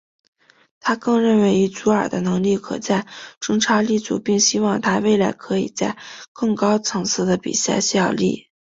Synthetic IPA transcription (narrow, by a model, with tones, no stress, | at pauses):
t̪ʰa˥kɤ˥˧ŋɻə˥˩nwe˧˥ɪi˧˥t͡su˧˥ə˞˨˩d̪ə̰˦nɤ˧˥ŋli˥˩kʰɤ̰˨˩t͡sa˥˧ɪʈ͡ʂʊ˥ŋʈ͡ʂʰa˥li˥˩t͡sṵ˨˩pi˥˩ŋɕi˥wɑ˥˩ŋt̪ʰa˥we˥˩ɪla˧˥ɪkʰɤ˧˥ḭ˨˩t͡sa˥˧ɪkɤ˥˩ŋkɑ˥ʊt͡sʰɤ˧˥ŋt͡sʰɹ̩˥˩d̪ə˨pḭ˨˩sa̰˥˧ɕjɑ˥˩ʊlḭ˥˩